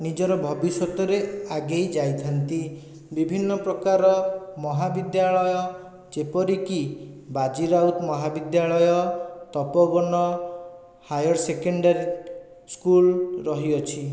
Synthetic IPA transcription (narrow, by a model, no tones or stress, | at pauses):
nid͡ʒɔɾɔbʱɔbisɔt̪ɔɾeaɡejd͡ʒajt̪ʰant̪i | bibʱinːɔpɾɔkaɾɔmɔɦabid̪jaɭɔjɔ | d͡ʒepɔɾikibad͡ʒiɾawt̪mɔɦabid̪jaɭɔjɔt̪ɔpɔbɔnɔ | hajɔɾsekeɳɖaɾi | skulɾɔɦiɔt͡ʃʰi